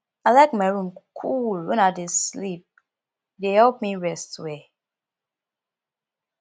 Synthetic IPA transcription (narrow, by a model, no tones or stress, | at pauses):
aɪlaɪkmaɪɹũmkʰulwɛ̃naɪdeslip̚ | dehɛlp̚miɹɛstwe